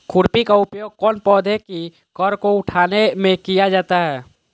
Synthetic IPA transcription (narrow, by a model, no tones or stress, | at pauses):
kʰʊɾpikaʊpjoːɡ̚kɔːnpɔːd̪ʱɦɛki | kɔɾkoʊʈʰaːnemẽkijad͡ʒaːt̪aɦɛː